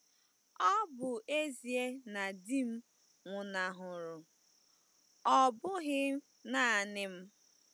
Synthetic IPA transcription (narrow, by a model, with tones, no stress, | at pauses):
ɔ˦bʊ˨ʔe˦zi˨e˦na˨di˦m̩˦ | ŋʷʊ˨na˨ɦʊ˨ɾʊ˨ | ɔ˦bʊ˦ɣɪ˦ | na˦˨nɪ˦m̩˦